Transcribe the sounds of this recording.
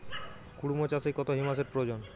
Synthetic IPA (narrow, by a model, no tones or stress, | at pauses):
kuɽumot͡ɕasekɔt̪oɦimas̬eɾpɾod͡ʑon